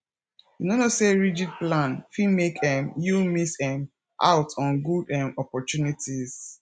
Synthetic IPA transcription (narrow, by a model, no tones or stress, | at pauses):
junonoseɹid͡ʒid̚plãnfimekɛ̃mjumisɛ̃m | ʔa̰ʊtʰɔ̃nɡudɛ̃mɔpɔtunitʰiz